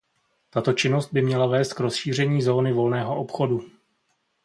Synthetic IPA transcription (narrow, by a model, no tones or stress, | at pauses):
t̪at̪o̞t͡ʃɪno̞st̪̚bɪmɲɛlavɛːst̪̚kɾo̞sʃiːr̝ɛɲiːzo̞ːnɪvo̞lnɛːɦo̞ʔopxo̞du